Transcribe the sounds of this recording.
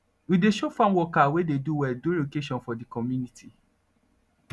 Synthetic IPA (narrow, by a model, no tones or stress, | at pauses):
wideʃofãnwɔkawededuwɛldolokeʃɔ̃nfɔdikɔmjunitʰi